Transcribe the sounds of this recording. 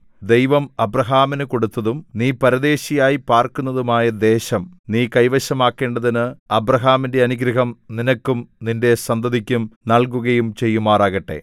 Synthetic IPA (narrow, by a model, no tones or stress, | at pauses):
d̪e̞jʋɐmɐbrɐɦaːminɨko̞ɽut̪ːɐðumniːpɐɾɐd̪e̞ːɕijaːjipaːrkunːɐðumaːjɐd̪e̞ːɕɐmniːkɐjʋɐɕɐmaːkːe̞ːɳɖɐðinɨɐbrɐɦaːminde̞ɐnuɡɾiɦɐmninɐkːumninde̞sɐnd̪ɐðikʲːumnɐɭkuɣɐjumt͡ɕe̞jːumaːraːɣɐʈːe̞̰